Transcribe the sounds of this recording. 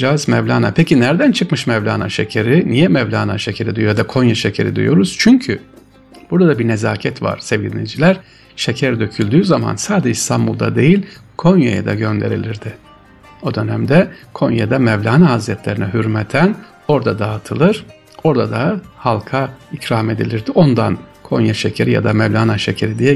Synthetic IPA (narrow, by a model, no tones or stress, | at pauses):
d͡ʒazmɛvlʲaːna̰pʰecʰinæɾd̪ænt͡ʃʰɯkmɯʃmɛvlʲaːna̰ʃecʰeɾinijɛmɛvlʲaːna̰ʃecʰe̞ɾid̪uyjojad̪akʰo̞njaʃecʰe̞̰ɾḭd̪ujo̞ɾuz̥t͡ʃʰyɲcʰy | b̥uɾd̪ad̪abiɾnezaːcʰɛt̪va̰ɾ̥sɛvɡɟiɾinijd͡ʒilʲæɾ̥ | ʃecʰæɾd̪ø̞cʰylʲd̪yːzama̰nsaːd̪ed͡ʒɛst̪ʰambulˠd̪a̰d̪e̞jilʲkʰo̞njaja̰d̪a̰ɟø̞nd̪e̞̰ɾḭlʲiɾd̪ɪ | o̞d̪ø̞næmd̪ɛkʰo̞njad̪amɛvlʲaːnaɦazɾɛt̪ʰlʲe̞ɾinɛɦyɾmɛt̪ʰæn | o̞ɾd̪ad̪aːt̪ʰɯlˠɯɾ̥ | o̞ɾd̪ad̪ahalˠkʰaicɾame̞d̪ilʲiɾd̪io̞nd̪a̰nkʰo̞njaʃecʰeɾija̰d̪amɛvlʲaːnaʃecʰeɾid̪ijɛ